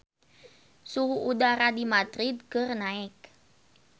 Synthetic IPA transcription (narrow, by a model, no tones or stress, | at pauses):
suɦuʔːdaɾadimad̪ɾid̪̚kərnaɪk̚